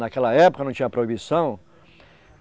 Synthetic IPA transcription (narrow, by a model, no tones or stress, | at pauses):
nakɛlɐɛpokɐnɐ̃w̃t͡ʃĩɲɐpɾoibisɐ̃w̃